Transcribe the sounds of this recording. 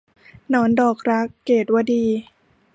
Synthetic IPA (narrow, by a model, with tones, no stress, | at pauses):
nɔː˦˥ndɔː˨˩k̚ɾa˦˥kːeː˨˩t̪̚wa˧diː˧